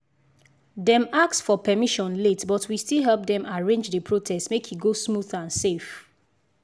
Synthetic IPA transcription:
dɛ̃maksfɔpɛmiʃɔ̃nletbɔtʰwistilˠɦɛlp̚dɛ̃maɹẽnd͡ʒðəpʰɹotʰɛstmekhiɡosmuðãnsef

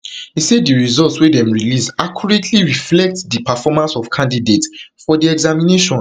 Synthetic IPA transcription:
isɛddiɹizɔltswedɛ̃mɹilisakjɔɹetʰliɹiflɛk̚tdipafɔmãnsɔfkʰãndidetfɔdiɛɡzamineʃɔ̃n

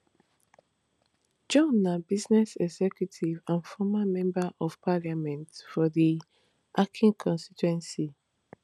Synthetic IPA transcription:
d͡ʒɔ̃nːabiznɛsɛɡzɛkjutʰivãnfɔmamɛ̃mbaʔɔv̥pʰaljamɛ̃ntfɔdi | ʔakʰĩŋkʰɔ̃nstitwɛ̃nsi

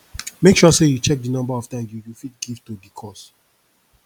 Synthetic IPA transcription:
mekʃɔsejut͡ʃɛk̚dinɔ̃mbaɔv̥tãɪ̃msjujufit̚ɡivtudikʰɔs

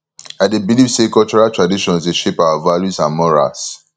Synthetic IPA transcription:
adebilivsekɔlt͡ʃɔɹaltɹadiʃɔ̃nseʃepawavaljusãnmɔɹa̰s

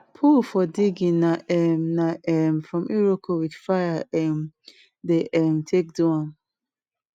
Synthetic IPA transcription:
pʰulfɔdiɡinaʔɛmnaɛmfɹɔ̃mʔiɹokʰowidfajaʔɛm | deʔɛmtʰek̚duãn

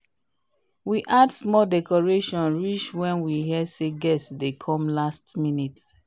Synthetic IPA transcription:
wiʔadsmɔdɛkɔɹeʃɔ̃nɹit͡ʃwɛ̃nwiɦɛseɡɛsdekʰɔ̃mlastminit

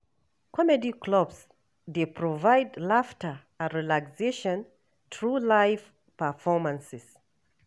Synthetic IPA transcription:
kʰɔmɛdikʰlɔbs | depʰɹɔvajdlaftə˞ | əɹilakseʃɔ̃n | tʰɹulajv | pəfɔmãnsɪs

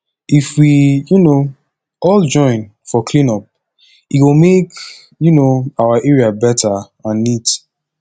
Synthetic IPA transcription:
ifwijuno | ɔld͡ʒɔ̃ɪ̃n | fɔkʰlĩnɔp̚ | iwumek | junoaaʔɛɹiabɛtʰa | ãnːit

